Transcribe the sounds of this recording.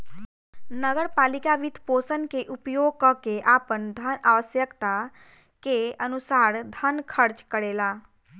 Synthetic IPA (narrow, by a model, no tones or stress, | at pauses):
nəɡəɾpalikaʋit̪posənkeʔupjoɡ̚kəkeʔapənd̪ʱənaʋəsjəkt̪a | keənusaɾd̪ʱənkʰəɾt͡ʃkəɾela